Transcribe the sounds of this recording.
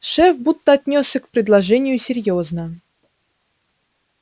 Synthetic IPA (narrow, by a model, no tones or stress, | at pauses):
ʂɛfbut̪ːəɐt̪ʲnʲosʲsʲəkpɾʲɪd̪lˠɐʐɛnʲɪjʊsʲɪɾʲjoznə